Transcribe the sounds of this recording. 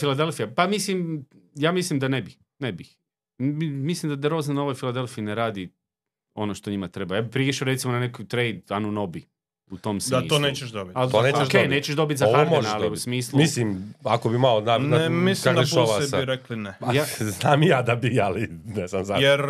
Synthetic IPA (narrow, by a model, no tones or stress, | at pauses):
filad̪e̞lˠfijapamislimjaːmislimd̪anebi | nebix | imislimd̪ad̪eɾozanoʋojfilˠad̪e̞lˠfiineɾaːd̪i | o̞noʃt̪o̞ɲimat̪ɾe̞bajaːbipɾiʃaoɾe̞t̪simonanekojt̪ɾejd̪anunobi | ut̪o̞ːmsmaiːoneːt͡ʃeʃd̪obitaloneːoeʃkeːjneːt͡ɕeʃd̪o̞bit̪ʲzaoaɾmoʒnaaliusmiːslˠumislimakobimalonanamislkakd̪aeʃoʋab̪iɾɛklinɛjaznaːmijaːd̪abialinesamzajeɾ